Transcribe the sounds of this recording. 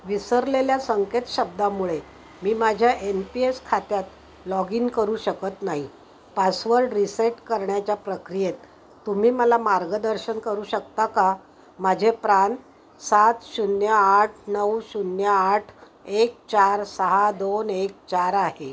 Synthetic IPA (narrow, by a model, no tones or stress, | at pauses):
ʋisəɾleljasəŋket̪ɕəb̚d̪amuɭe | miːmad͡ʑʱjaʔenpieskʰat̪jat̪ | lɔɡiːŋkəɾuːɕəkət̪naɦi | pasʋəɾɖɾiseʈkəɾɳjat͡ɕjapɾəkɾijet̪ː | um̤iːməlamaɾɡəd̪əɾɕənkəɾuːɕəkt̪aka | mad͡ʑʱepɾan | sat̪ɕunjəaʈʰnəwɕunjəaʈʰ | ek̚t͡ɕaɾsəɦad̪onek̚t͡ɕaɾaɦe